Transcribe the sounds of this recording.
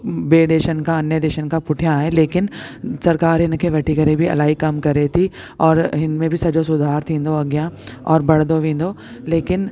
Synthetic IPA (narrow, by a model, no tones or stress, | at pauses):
beːɖ̪eːʃənkaɐnjəd̪eːʃənkapʊʈʰijãɦɛleːkɪnsɐɾkaːɾɦɪnkeʋɐʈʰikɐɾebʱiɐ̰laːɦikɐmkɐɾet̪ʰi | ɔːɾɦɪnmẽbʱisɐd͡ʒosʊd̪ʱaːɾt̪ʰĩːnd̪oɐɡjãɔːɾbɐɽ̤d̪oʋẽːn̆d̪oː | leːkɪn